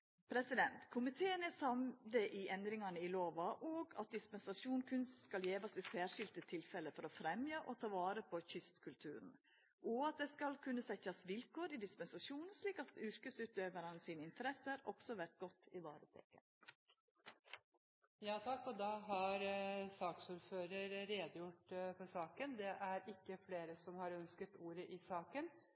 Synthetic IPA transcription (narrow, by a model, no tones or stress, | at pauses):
pʰɾɛsɪd̪ɛnt̪kʰʊmɪt̪ʰeːənæsɑmləʔɪʔɛnd̪ɾɪŋɑnəɪloːʋɑʔoːɡɑ̰t̪̚d̪ɪspɛnsɑʂuːnkʰʉnsskɑljeːʋɑsɪsæːʂɪlt̪ət̪ʰɪlfɛləfɔɾɔfɾɛmjəʔɔt̪ʰɑːʋɑːɾəpʰɔçʏst̪kʰʉlt̪ʰʉːɾn̩ | ʔɔɑt̪̚d̪ɛskɑlkʰʉnːəsɛçɑsʋɪlkʰoːɾɪd̪ɪspɛnsɑʂuːnʂliːkɑt̪ʉɾkəsʉːt̪øːʋəɾɑnəsiːnəɪnt̪ʰəɾɛsəɾɔksɔʋæɾʈ̪̚ɡɔt̪ːɪʋɑːɾət̪ʰɛ̰kə̰n | jɑːt̪ʰɑkːɔd̪ɑɦɑɾsɑːksuːɾføːɾəɾɾeːd̪əjʊʈpʰɔsɑːkənd̪ɛʔæɾɪkːəfleːɾəsɔmhɑɾœnskət̪uːɾəʔɪsɑːkən